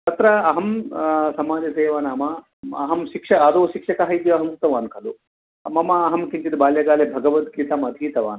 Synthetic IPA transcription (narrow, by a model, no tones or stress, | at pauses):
t̪ɐt̪ɾɐɐɦɐmsɐmaːd͡ʒɐseːʋaːnaːmɐ | ɐɦɐmʃikʂɐɐd̪oːʃikʂɐkɐɦɐjd̪jɐɐɦɐmk̚t̪ɐʋaːnkʰɐlu | ɐmɐmɐːɦɐmkiɲt͡ʃid̪baːljɐɡaːlebʱɐɡɐʋɐt̪kiːt̪aːmɐd̪ʱiːt̪ɐʋa̰ːn